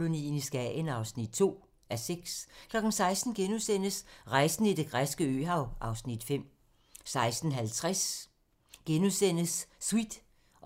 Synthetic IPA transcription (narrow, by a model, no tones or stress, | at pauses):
lo̝nḭːnisɡ̥ɛenɑ̈ʊsnid̥t͡sʰo̝̰ː | æɐseɡ̥skʰlɒ̽ɡ̥n̩sɑ̈ɪsd̥n̩ɡ̥enusen̰əsʁɑ̈ɪsn̩id̥e̝ɡ̥ʁasɡ̥əø̰ːɦɑ̈ʊʔɑ̈ʊsnid̥fem̰ | sɑ̈ɪsd̥n̩ɦælt͡sʰʁas | ɡ̥enusen̰əsːwid̥